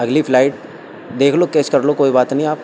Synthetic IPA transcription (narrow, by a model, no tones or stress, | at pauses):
ɐɡlipʰlaːɪʈ̚ | d̪eːkʰloːkeːt͡ʃkɐɾlokoːibaːt̪nɐɦĩaːp̚